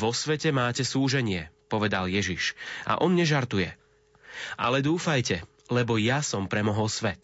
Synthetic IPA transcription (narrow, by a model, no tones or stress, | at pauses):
ʋɔsʋɛcɛmaːcɛsuːʒɛɲɪɛpɔʋɛd̪aljɛʒiʃʔa̰ʔɔnɲɛʒaɾt̪ujɛ | ʔa̰lɛd̪uːfajcɛ | lɛbɔjasɔmpɾɛmɔɦɔlsʋɛt̪